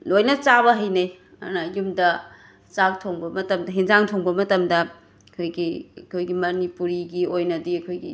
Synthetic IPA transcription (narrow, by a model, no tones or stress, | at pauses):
lojnɐt͡ʃaβɐɦɐjnɐj | ɐ̰nɐjumdɐ | t͡ʃak̚tʰoŋbɐmɐtɐmdɐɦinzaŋtʰoŋbɐmɐtɐmdɐ | kʰojɡiɐkʰojɡimɐnipuɾiɡiojnɐdiɐkʰojɡḭ